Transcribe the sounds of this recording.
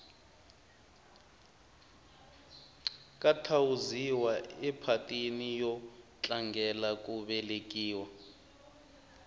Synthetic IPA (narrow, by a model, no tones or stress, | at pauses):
kʼatʰawuziwaɛpʰatʼinijɔt͡ɬʼaŋɡʱɛlak̬ʼuɓɛlek̬ʼiːwa